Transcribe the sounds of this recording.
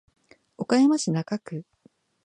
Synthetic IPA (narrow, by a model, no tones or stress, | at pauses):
o̞kajamaɕinakakɯ̟